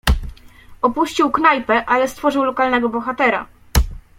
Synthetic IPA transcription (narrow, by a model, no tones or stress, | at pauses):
ɔpuɕt͡ɕiwknajpɛʔalɛst̪fɔʐɘwlɔkalnɛɡɔbɔxat̪ɛɾa̰